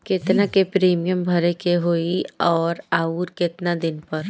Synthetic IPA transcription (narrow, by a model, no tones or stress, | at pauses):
kɪt̪nakepɾeːmijəmbʱɐɾekeɦoːiɔːɾaːuːɾkɪt̪nad̪ɪnpɐɾ